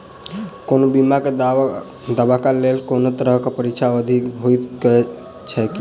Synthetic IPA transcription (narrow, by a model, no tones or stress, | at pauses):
konobimake | d̪abakalelkonot̪ɾəɦkepəɾikt͡ʃʰaəd̪ʱiɦojt̪kɛ | t͡ʃʰɛki